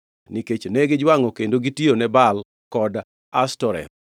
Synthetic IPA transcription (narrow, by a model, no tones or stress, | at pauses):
niket͡ʃnɛɡɪd͡ʒwaŋɔkendoɡitionɛbal | kɔd | astɔɾɛ̰